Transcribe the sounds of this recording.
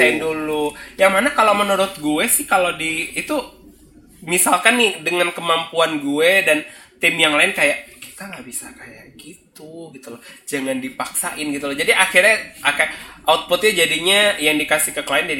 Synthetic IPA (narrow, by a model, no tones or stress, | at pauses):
aɪndulujaŋmanakalomənuɾʊt̪̚ɡuɛsɪhkalodiːt̪u | misalkanːɪdəŋankəmampuanɡuɛdant̪ɪmjaŋlaɪnkajaʔki̥t̪aŋabisakajaʔɡit̪uɡit̪ulɔd͡ʒaŋandipaksa̰ʔɪnɡit̪ulɔd͡ʒadiʔaxirɲaʔakaʔaut̪̚pʊt̪̚ɲad͡ʒadiɲajaŋdikasɪhkəkəlaɪndad